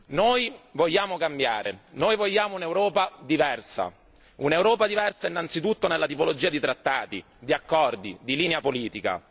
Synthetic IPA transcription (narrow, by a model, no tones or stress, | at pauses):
noːjvoʎːaːmokambjaːɾʔḛnoːjvoʎːaːmounewɾɔːpad̪ivɛrsa̰ | unewɾɔːpad̪ivɛrsainːant̪sit̪ut̪ːonelːat̪ipolod͡ʒiːad̪it̪ɾat̪ːaːt̪i | d̪iakːɔrd̪id̪iliːneapoliːt̪ika̰